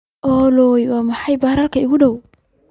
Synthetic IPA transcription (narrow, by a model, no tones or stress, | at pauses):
ʔɔːlɔjwɑːmɑħɑjbaːɾɐlkʰɐɪɣʊɖɔw